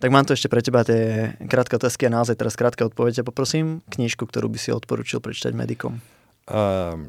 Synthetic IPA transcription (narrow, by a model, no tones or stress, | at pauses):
t̪aɡmaːmt̪ɔɛʃcɛpɾɛcɛbat̪ɪɛkɾaːt̪kɛɔt̪aːskianaɔzajt̪ɛɾaskɾaːt̪̚kɛɔt̪̚pɔʋɛɟɛapɔpɾɔsiːmkɲiːʃkuk̚t̪ɔɾṵːbisiɔ̰t̪̚pɔɾṵːt͡ʃilˠpɾɛt͡ʃi̥t̪a̰ɟmɛ̰d̪ikɔ̰m